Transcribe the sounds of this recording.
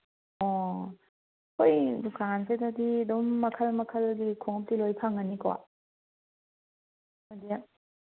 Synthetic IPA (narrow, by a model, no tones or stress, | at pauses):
ɔ | kʰojdukansʰedadidɔŋːakʰalmakʰalɡikʰoŋp̚tilojpʰaŋanika̰ | madija